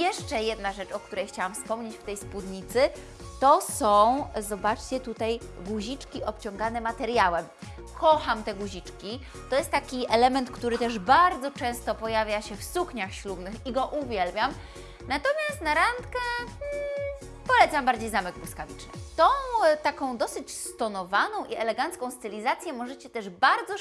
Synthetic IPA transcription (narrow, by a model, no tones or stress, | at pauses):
jɛʂt͡ʂɛjɛd̪naʐɛt͡ʂɔkt̪uɾɛjxt͡ɕawamfspɔmɲet͡ɕft̪ɛjspud̪ɲit̪sɘ | t̪ɔsɔ̃w̃zɔbat͡ʂt͡ɕɛt̪ut̪ajɡuʑit͡ʂkʲiʔɔpt͡ɕɔ̃ŋɡanɛmat̪ɛɾjawɛm | kʰɔxamt̪ɛɡuʑit͡ʂkʲi | t̪ɔjɛst̪ːakʲiɛlɛmɛnt̪kt̪uɾɘt̪ɛʐbaɾd̪zɔt͡ʂɛ̃w̃st̪ɔpɔjavʲjaɕɛfsukɲaxɕlubnɘxiɡɔʔuvʲjɛlbʲjam | nat̪ɔmʲjast̪naɾant̪kɛ | pɔlɛt̪sambaɾd͡ʑejzamɛɡ̚bwskavʲit͡ʂnɘ̰t̪ɔ̃w̃t̪akɔ̃w̃d̪ɔsɘt͡ɕst̪ɔnɔvanɔ̃w̃ʔiɛlɛɡant̪skɔ̃w̃st̪ɘlʲizat̪sʲjɛmɔʐɛt͡ɕɛt̪ɛʐbaɾd̪zɔ